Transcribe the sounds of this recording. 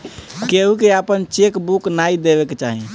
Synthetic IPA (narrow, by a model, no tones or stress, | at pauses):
keɦukeapənt͡ʃekbuknaid̪ebeket͡ʃaɦĩ